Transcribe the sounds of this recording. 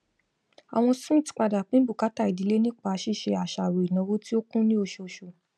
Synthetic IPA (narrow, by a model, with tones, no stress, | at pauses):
a̰˨w̃ɔ̃˧sũ˦˨ti̥˨˦k͡pa˧da˨k͡pĩ˦bu˦˨ka˨˦ta˦˨i˨di˨˦le˦nĩ˦k͡pa˧˦ʃi˦˨ʃe˧a˨ʃa˨ɾo˨i˨nã˨˦wo˦ti˦o˦kũ˦nĩ˦o˧ʃo˧˨ʃo˨